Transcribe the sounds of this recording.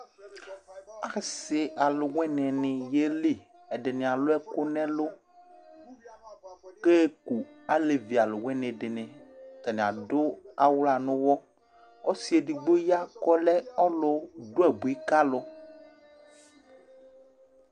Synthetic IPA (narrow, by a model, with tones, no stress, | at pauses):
a˨xsɪ˨ʔa˨lʊ˨wɛ̃˦nɛ̃˨nɪ̃˨je˦li˨ | ɛ˨ɖe˨nɪ̃˨a˨lo˦ɛ˦ko˦nɛ̃˦lo˦ | ke˦ku˨a˦le˨vi˨a˨lʊ˨wɛ˦nẽ˨ɖɪ˨nɪ̃˨t̪a˨nẽ˨a̰˨dʊ˦a˦wla˨nʊ̃˦wɔ˦ | o˦si˨˦e˨di˨ɡ͡bo˦ja˦kɔ˦lɛ˦ɔ˦lo˦ɖo˦ɛ˨bu˨i˦ka˦lɔ˦